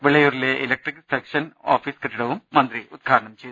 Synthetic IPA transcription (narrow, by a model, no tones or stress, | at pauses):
ʋiɭɐjuːɾileʔilɐk̚ʈriksekʂɐno̰ːfiːskɐʈːiɽɐʋumːɐnd̪ɾiud̪̚ɡʱaːɾɐɳɐmt͡ɕejd̪